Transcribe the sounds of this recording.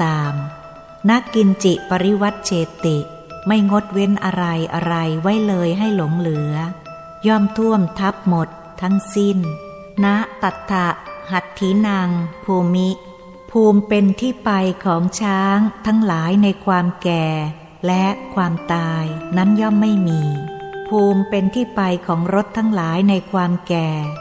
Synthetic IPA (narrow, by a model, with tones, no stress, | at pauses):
t̪aː˧m | na˦˥ʔki˧nt͡ɕi˨˩pa˧ɾi˦˥wa˦˥t̪̚t͡ɕʰeː˧t̪i˨˩ʔ | ma˥˩jŋo˦˥t̪̚we˦˥nʔa˧ɾa˧jʔa˧ɾa˧jwa˦˥jlɤː˧jɦa˥˩jlo˩˦ŋlɯ˩˦ɐ | jɔː˥˩mt̪ʰu˥˩əmt̪ʰa˦˥p̚mo˨˩t̪ʰːa˦˥ŋsi˥˩n | na˦˥ʔt̪a˨˩t̪ʰːa˨˩ʔha˨˩t̪ʰːiː˩˦na˧ŋpʰuː˧mi˦˥ʔ | pʰuː˧mpe˧nt̪ʰiː˥˩pa˧jkʰɔː˩˦ŋt͡ɕʰaː˦˥ŋt̪ʰa˦˥ŋlaː˩˦jna˧jkʰwaː˧mkɛː˨˩ | lɛ˦˥ʔkʰwaː˧mt̪aː˧jna˦˥njɔ˥˩mːa˥˩jmiː˧pʰuː˧mpe˧nt̪ʰiː˥˩pa˧jkʰɔː˩˦ŋɾo˦˥t̪ʰːa˦˥ŋlaː˩˦jna˧jkʰwaː˧mkɛː˨˩